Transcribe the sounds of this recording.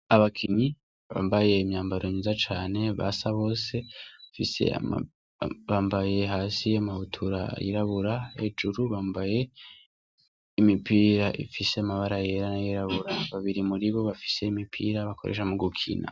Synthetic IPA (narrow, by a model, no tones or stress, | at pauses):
aβakʰiɲi | βa̰ːmbaje̞imɲaːmbaɾoɲuzat͡ʃaːne̞βa̰saβo̞ːseβafisḛa̰ | βaːmbaje̞ɦaːsiamahutʰuɾa̰jḭɾaβuɾaed͡ʒuɾuβaːmbaje̞ | imipiːɾaʔḭfise̞amaβaɾajeɾanajiɾaβuɾaβaβiɾimuɾiβo̞βafi̥se̞imipʰḭːɾaβakʰoɾḛʃamuɡukʰḭna̰